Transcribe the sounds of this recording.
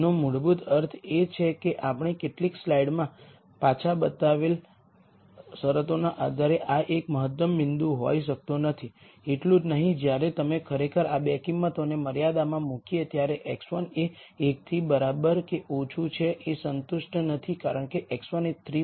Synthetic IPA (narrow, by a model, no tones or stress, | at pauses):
nomʊɽbut̪əɾt̪ʰet͡ʃʰekeʔapɳ̃ikeʈlikslaiɖmã | pat͡ʃʰabət̪aʋel | səɾət̪onaʔad̪ʱaɾeʔaʔekməɦət̪ːəmːɪ̃nd̪ũɦo̰jʃək̚t̪onət̪ʰi | eʈlũd͡ʒnəɦĩd͡ʒjaɾet̪əmekʰəɾekʰəɾabɛkiŋmə̃t̪oneməɾjad̪amãmukiet̪jaɾeʔeksʋəneː | k̚t̪ʰibəɾabəɾkeʔot͡ʃʰut͡ʃʰeʔesənt̪ʊʃʈnət̪ʰikaɾəɳkeʔeksʋənet̪ʰɾi